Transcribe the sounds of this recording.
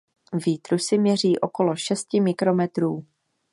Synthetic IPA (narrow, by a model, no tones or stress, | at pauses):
viːt̪ɾusɪmɲɛr̝iːʔo̞ko̞lo̞ʃɛscɪmɪkɾo̞mɛt̪ɾuː